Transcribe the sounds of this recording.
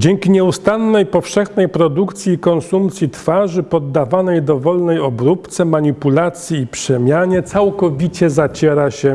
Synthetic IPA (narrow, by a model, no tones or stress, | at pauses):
d͡ʑɛŋkʲiɲɛust̪anːɛjpɔfʂɛxnɛjpɾɔd̪ukt̪sʲjikɔnsumpt̪sʲjit̪faʐɘpɔd̪ːavanɛjd̪ɔvɔlnɛjɔbɾupt̪sɛmaɲipulat̪sʲjiːpʂɛmʲjaɲɛt̪sawkɔvʲit͡ɕɛzat͡ɕɛɾaɕɛ